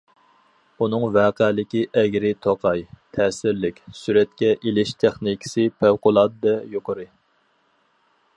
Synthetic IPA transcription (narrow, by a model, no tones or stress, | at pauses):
unɨŋvɛːqɛlɪkʲiʔɛɡʲɾɪt̪ʰoqʰɑjt̪ʰɛːsɪɾlɪkʲsyɾɛt̪kʲɛʔilɪʃt̪ʰeχnikʲʰɪ̥sɨpʰæwqʊlˠɑd̪̚d̪ɛjoqʰəɾɨ